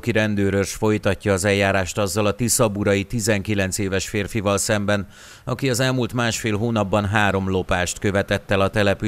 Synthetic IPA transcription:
kiɾɛnd̪øːɾørʃfo̞jt̪ɒcːɒːzɛljːaːɾaːʃt̪ɒzːɒlɒt̪isɒbuɾɒjit̪izɛŋkilɛn̪t̪seːvɛʃfeːrfivɒlsɛmbɛn | ɒkiɒzɛlmult̪maːʃfeːlɦoːnɒbːɒnɦaːɾo̞mlo̞paːʃt̪kø̞vɛt̪ɛt̪ːɛlɒt̪ɛlɛpy

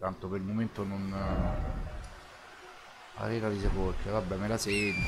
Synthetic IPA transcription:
t̪ant̪opeɾilmoment̪onon | a̰riːkaðiseporkʰevabːɛmelasent̪

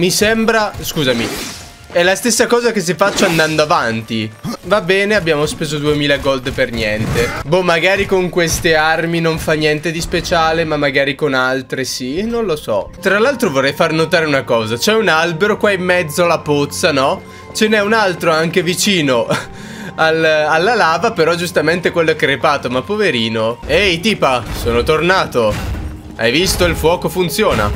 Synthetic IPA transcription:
misɛmbɾaskuːzami | ɛlast̪esːakɔːzakes̬ifat͡ʃːoand̪and̪oavant̪ivabːɛːneabjaːmospeːzod̪uemiːlaɡɔld̪pernjɛnt̪ebɔmːaɡaːɾikoŋkwest̪earminoɱfanːjɛnt̪ed̪ispet͡ʃaːlemamːaɡaːɾikonalt̪ɾesinõnlosɔ̰t̪ɾalalt̪ɾovorːɛjfarnot̪aːɾeunakɔːzat͡ʃɛunalbeɾokwaimːɛd̪zːolapot̪sːanɔ | t͡ʃenɛunalt̪ɾoaŋkevit͡ʃiːno | alalːalaːvapeɾɔd͡ʒust̪ament̪ekwelːoɛkɾepaːt̪omapːoveɾiːnoɛjt̪iːpasoːnot̪ornaːt̪o | a̰jvist̪oilfwɔːkofunt̪sjoːna̰

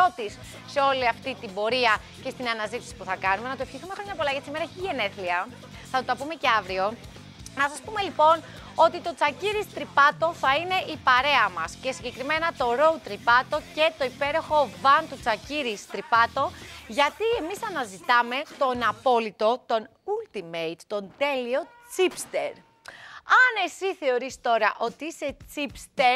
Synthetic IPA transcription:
o̞t̪isː | eo̞liɐft̪it̪imbo̞ɾiɐ | ce̞st̪inɐnɐzit̪i̥si̥puθɐkɐnume̞nɐt̪oe̞fçiθumexɾoɲɐpolɐjet̪simeɾɐçiʝeneθliɐ | θɐt̪ot̪ɐpume̞ce̞ɐvɾio̞ | nɐsɐspume̞lipo̞n | o̞t̪it̪o̞t͡sɐciɾist̪ɾipɐt̪o̞θɐine̞ʔipɐɾe̞ɐmɐsce̞siɲɟe̞kɾime̞nɐt̪o̞ɾo̞ut̪ɾipɐt̪o̞ce̞t̪o̞ipe̞ɾo̞xo̞vɐnt̪ut͡sɐciɾist̪ɾipɐt̪o̞ʝɐt̪ie̞misɐnɐzit̪ɐme̞t̪o̞nɐpo̞lit̪o̞t̪o̞n | ult̪imejt̪ːo̞nd̪e̞lio̞ | t͡sipst̪e̞̰ɾ | ɐne̞siθe̞o̞ɾist̪o̞ɾɐʔo̞t̪iise̞t͡sipst̪e

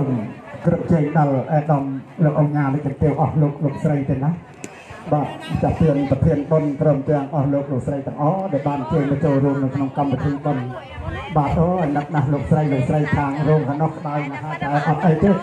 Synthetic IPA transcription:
mkrɨp̚t͡ɕəːŋɗɑlʔaɛɗɑmloːk̚ʔoɲaːnɨk̚ɨnt̪iəwʔɑhloːk̚loːk̚srəjt̪eːnah | ɓaːpʰt͡ɕat̪iənpɑt̪ʰiənɓont̪roːmt̪ɛ̆əŋʔɑhloːk̚loːk̚srəjt̪ɛ̆əŋʔɑːɗaɔɛlɓaːnt͡ɕəːɲmɑt͡ɕoːlruəmnɨwkʰnoŋkamʋət̪ʰiːɓon | ɓaːsʰoəʔnɨk̚nahloːk̚srəjloːk̚srəjt̪ʰaːŋruəmkʰanohkə̆ɗaɔjnaɦaət̪aɛʔɑt̪̚ʔəjt̪eː

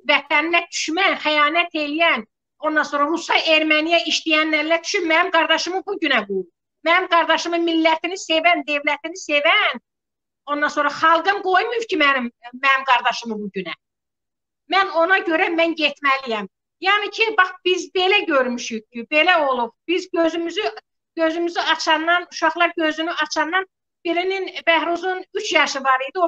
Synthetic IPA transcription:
væt̪ʰænlæd̪y̥ʃmænχæjɑːnæt̪ʰe̞lijæn | o̞nd̪ɑnsoɾɑɾusɑʔe̞ɾmænijæiʃt̪ijænːæɾlæd̪y̥ʃynmænimɡɑɾd̪ɑʃɯmɯbuɟynæbu | mænimɡɑɾd̪ɑʃɯmɯmilːæt̪ʰinisevænd̪evlæt̪ʰinise̞væn | o̞nd̪ɑnso̞ːɾɑχɑlˠɡɯnɡojmujucʰimænimːænimɡɑɾd̪ɑʃɯmɯbuɟynæ | mæno̞nɑɟø̞ɾæmænɟet̪ʰmælijæm | jɑːnicʰibɑχb̥izbe̞læɟøɾmyʃyɡ̚cʰːibelæo̞lˠup̚b̥izɟøzymyzy | ɟøzymyzyɑt͡ʃʰɑnːɑnuʃɑχlˠɑɾɟøzynyʔɑt͡ʃʰɑnːɑn | b̥iɾininbæhɾuzunyt͡ʃʰjɑʃɯvɑɾid̪io

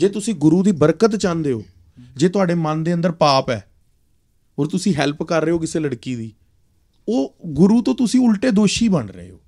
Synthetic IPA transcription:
d͡ʒeːt̪ʊsĩːɡʊɾuːd̪iːbəɾkət̪t͡ʃãːnd̪eːo̰ː | d͡ʒeːt̪ʊaːɖeːmənd̪eːə̃nd̪əɾpaːpɛ̰ː | oːɾt̪ʊsĩːɦɛlpkəɾːeːoːkɪseːləɽkiːd̪iː | oːɡʊɾuːt̪õːt̪ʊsĩːʊlʈeːd̪oːʃiːbəɳɾə̰ḛːoː

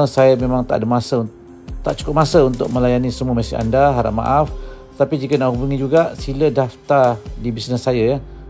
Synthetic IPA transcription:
əsajamẽmaŋt̪aʔdəmasəu | t̪a̰ʔt͡ʃu̥kʊp̚masəunt̪ʊk̚mə̃lajanisəmuəmasɪa̰ndaɦaɾa̰ʔ̚ma̰ʔaft̪ət̪apid͡ʒikənaʔɦubuŋid͡ʒuɡaʔsilədaft̪adibisnəsːajaja

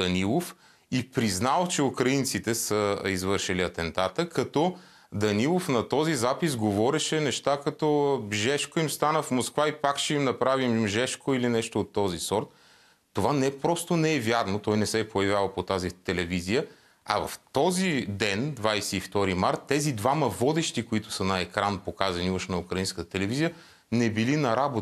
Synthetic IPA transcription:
ɐnilˠof | ipɾiznalˠt͡ʃɛukɾɐint̪sit̪ɛsəizvɤɾʃiliɐt̪ɛnt̪at̪əkɐt̪ɔ | d̪ɐnilˠofnɐt̪ɔzizapizɡovɔɾɛʃɛnɛʃt̪akɐt̪ɔʒɛʃkoimst̪anəfmoskvaipakʃɛimnɐpɾavimʒɛʃkoilinɛʃt̪oːt̪ːɔzisɔɾt̪̚ː | ovanɛpɾɔst̪onɛɛvʲjaɾnot̪ɔjnɛsɛpojɐvjavəpot̪azit̪ɛlɛvizijə | ɐ̰vɐ̰ft̪ɔzid̪ɛnd̪vajsɛːft̪ɔɾimaɾt̪ːɛzid̪vaməvɔd̪ɛʃt̪ikoit̪ʊ̥sɐnɐɛkɾanpokazɐniəʃnɐukɾɐinskət̪ə̥t̪ɛlɛvizijə | nɛbilinɐɾabot̪

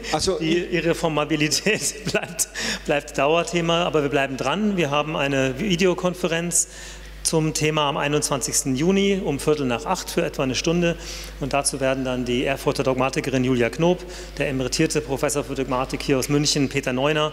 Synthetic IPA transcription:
ad̥iːʔiʁefɔɐmabilitʰɛːtb̥laɪp̚tb̥laɪp̚td̥aʊɐtʰeːmaʔaːbɐviːɐblaɪbm̩dʁanviːɐɦaːbm̩ʔaɪnəviːdeokʰɔnfəʁɛnt͡s | t͡sʊmtʰeːmaamʔa̰ɪnʊntt͡sv̥ant͡sɪçstn̩juːniʊmfɪɐtl̩naːχʔaχtfyːɐʔɛtv̥anəʃtʊndə | ʊntd̥at͡suːveːɐdn̩dandiːʔeːɐfʊtodɔɡ̚maːtɪkəʁɪnjuːljaknoːp | d̥eːɐɛməʁitʰiːɐtəpʁ̥ofɛsoːɐfyːɐdɔɡmaːtɪkhiːɐaʊsmʏnçən̩pʰeːtɐnɔʏnɐ

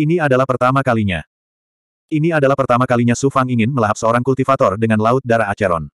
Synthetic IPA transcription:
iniadalahpərt̪amakaliɲa | iniadalahpərt̪amakaliɲasufaŋiŋɪnməlaɦap̪̚səoɾaŋkult̪ifat̪ɔrdəŋanlaʊt̪̚daɾaːt͡ʃɛɾɔ̰n

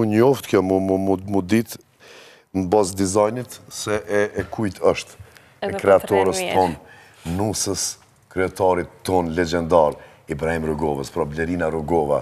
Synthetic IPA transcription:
unɔft̪kjɔmuumumud̪it̪ | nəbasd̪izajnit̪sɛʔɛɛkʰujt̪ʰəʃt̪ | ɛkɾɛat̪ɔɾəst̪ɔnː | usəs | kɾiɛt̪aɾit̪ːɔnlɛd͡ʒɛnd̪aɾ | ibɾahimɾuɡɔvəspɾɔblɛɾinaɾuɡɔva̰

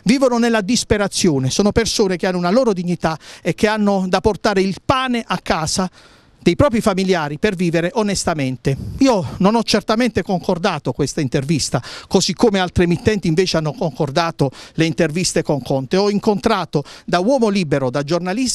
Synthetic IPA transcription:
viːvononelːad̪ispeɾat̪sːjoːnesoːnopersoːnek̟eanːʊunaloːɾod̪iɲːit̪aekːeanːod̪apːort̪aːɾeilpaːneʔakːaːsa | d̪ejpɾɔːp̬ɾifamiljaːɾiperviːveɾeʔonest̪ament̪eiːononɔt͡ʃːert̪ament̪ekoŋkord̪aːt̪okwest̪aint̪ervist̪akozikʰːomealt̪ɾemit̪ːɛnt̪iɱveːt͡ʃeanːokoŋkord̪aːt̪oleint̪ervist̪ekoŋkɔnt̪eɔiŋkont̪ɾaːt̪od̪awɔːmoliːbeɾod̪ad͡ʒornalis

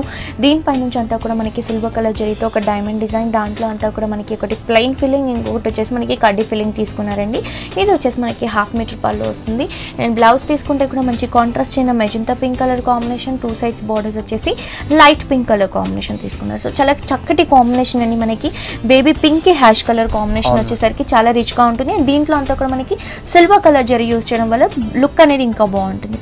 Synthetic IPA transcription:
ud̪iːnipɐjnuɲt͡ʃiɐnt̪aːkuːɽaːmɐnɐkisilʋɐkɐlɐːd͡ʒɐɾiɡit̪e̞ːɔkɐɖɐjmɐɳɖid͡ʒɐːjnd̪aːɳʈlo̞ːɐnt̪aːkuːɽaːmɐnɐkiɔkɐʈiplejnpʰilːiŋɡiŋkokɐʈot͡ʃːe̞ːsimɐnɐkikɐɖːipilːiŋɡ̚t̪iːsu̥kunːaːɾɐɳɖiiːd̪ot͡ʃːe̞ːsimɐnɐkiɦaːpʰmiːʈɐɾpa̰ːɾloːʋɐ̰st̪und̪i | nenblɐwst̪iːsu̥kuɳʈeːkuːɽaːmɐɲt͡ʃikaːɳʈɾaːst͡ʃejnɐmed͡ʒint̪ɐpiŋkkɐlɐɾkaːmbineːʃɐnʈuːsɐjɖsbɔːɖɐɾsɐt͡ʃːe̞ːsi | lɐjʈpiŋkːɐlɐɾka̰ːmbineːʃɐnt̪ḭːsu̥kunːa̰ɾusoːt͡ʃaːlaːt͡ʃɐkːɐʈikaːmbineːʃɐnɐɳɖimɐnɐkibe̞ːbiːpiŋkːiɦaːʃkɐlɐɾkaːmbineːʃɐnʋot͡ʃːeːsaːɾikit͡ʃaːlaːɾit͡ʃɡaːuɳʈund̪id̪iːɳʈlo̞ːɐnt̪aːkuːɽamɐnɐki | silʋakɐlɐɾd͡ʒɐɾɐjuːst͡ʃɛjɐɽɐmʋɐlːɐlukːɐneːd̪iːŋkaːboːɐɳʈund̪i

